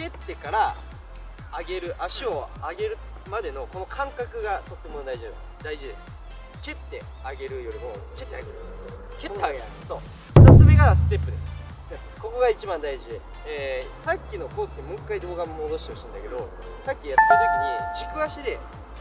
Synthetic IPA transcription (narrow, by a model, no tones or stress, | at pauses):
kʲe̞t̪ːe̞kaɾaː | ɡe̞ɾɯ̟ʔaɕio̞aɡe̞ɾɯ̟ | mad̪e̞no̞ko̞no̞kʰãŋkakɯ̟ɡat̪o̞t̪ːe̞mo̞nd̪aiʑia | d̪aiʑid̪e̞̰sɨ̥ | kʲe̞t̪ːe̞ | aɡe̞ɾɯ̟jo̞ɾʲimo̞ke̞t̪ːeaɡe̞ɾɯ̟ | ket̪ːaɡ | so̞ː | d̪asobʲeɡasɨ̥t̪e̞pːɯ̟d̪e̞sɨ̥ | ko̞ko̞ɡait͡ɕibãnd̪aiʑid̪e | eːsakʲːino̞ko̞ːsɨ̥k̪emɯ̟̃ŋkaid̪o̞ːɡammod̪o̞ɕi̥t̪eoit̪ãnd̪ake̞d̪o̞ | sakʲːijat̪ːet̪at̪okʲiɲ̟id͡ʑikɯ̟aɕid̪e̞